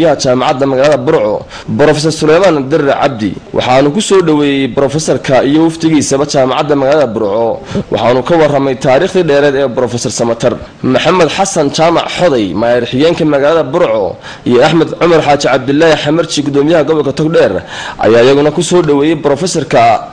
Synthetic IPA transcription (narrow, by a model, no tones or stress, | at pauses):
jɐɦɐt͡ʃaːmɑʕɑd̪ːɐmɐɣaːlɐðɐbʊɾʕɔ̰ | bɾɔːfɛs̬ɔrsʊlɛjmaːnd̪ɪrːɛʕɑ̰b̚d̪ɪ̰wʔɑ̰ħɑːnuːkʰʊsɔːɖɐwɛːjɛjbɾɔːfɛsɔrkʰɐijɔwɑft̪ʰɪɣiːsɐβɐt͡ʃaːmɑʕɑ̰d̪ːɐmɐɣaːlɐðɐbʊɾʕɔwʔɑ̰ħɑːnuːkʰɐwɑrɐmɛjt̪ʰaːɾiːχd̪iːɖɛːɾɛːd̪ɛːbɾɔːfɛsɔrsɐmɐt̪ʰɐr | mʊħɑmɛd̪ħɑsɐnt͡ʃaːmɑ̰ʕħɔðɛjmaːɾɪħɪɣɛːŋkʰɐmɐɣaːlɐðɐbʊɾʕɔ̰ | ijɔɐħmɛd̪ʕʊmɐrħaːt͡ʃɪʕɑb̚d̪ɪlːaːhɪħɑmɐrt͡ʃɪɡʊd̪ɔːmɪjɐɦɐɡɔβɐlkʰɐt̪ʰɔkɖɛrʔɐ̰jaːjɐɣʊnɐkʰʊsɔːɖɐwɛːjɛjbɾɔːfɛsɔrkʰɐ